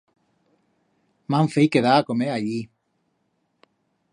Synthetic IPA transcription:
maɱfejkeðaːkomeaʎi

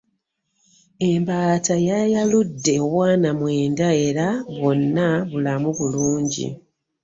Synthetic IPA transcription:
e̞mbaːtajajaludːe̞owaːnamwe̞ːndae̞ɾaβo̞nːaβulamuβuluːɲɟḭ

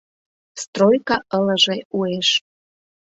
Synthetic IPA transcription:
st̪rojkɑʔələʒeueʃ

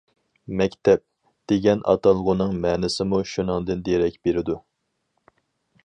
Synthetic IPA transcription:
mɛkʲt̪ʰɛp̚ | d̪̥eɡʲɛnʔɑ̰t̪ʰɑlˠʁʊnɨŋmɛːnɪsɪmuʃunɨŋd̪ɨnd̪eɾɛkʲbeɾɪd̪u

